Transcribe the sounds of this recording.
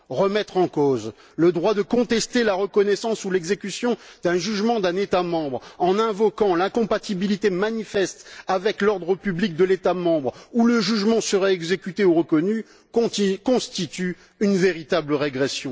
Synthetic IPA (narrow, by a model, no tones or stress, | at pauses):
ʁəmɛt̪χɑ̃koz | ləd̪ʁwad̪əkɔ̃t̪ɛst̪elaʁəkɔnɛsɑ̃sulɛɡzekʲysjɔ̃d̪̥ɛ̃ʒyʒmɑ̃d̪ɛ̃net̪amɑ̃bʁɑ̃nɛ̃vɔkɑ̃lɛ̃kɔ̃pat̪ibilit̪emanifɛst̪avɛklɔʁd̪ʁəpyblik̚d̪əlet̪amɑ̃bʁuləʒyʒmɑ̃səʁɛɛɡzekʲyt̪euʁəkɔnỹ | kɔ̃st̪it̪y | ynveʁit̪abləʁeɡʁesjɔ̃